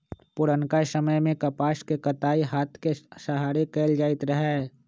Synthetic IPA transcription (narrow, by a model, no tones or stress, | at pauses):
pʊɾənkasəməjmẽkɐpaːʃkekɐt̪aːiɦaːt̪ʰkesɐɦaːɾekeːld͡ʒaːɪt̪ɾəɦ